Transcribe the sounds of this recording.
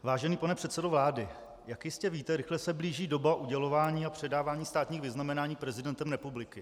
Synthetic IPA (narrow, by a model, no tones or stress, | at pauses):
vaːʒɛniːpanɛpr̥ɛt̪sɛdovlaːdɪ | jakjɪscɛviːt̪ɛɾɪxlɛsɛbliːʒiːdo̞baʔuɟɛlo̞vaːɲiːapr̝̥ɛdaːvaːɲiːst̪aːt̪ɲiːxvɪznamɛnaːɲiːpɾɛzɪdɛnt̪ɛmɾɛpublɪkɪ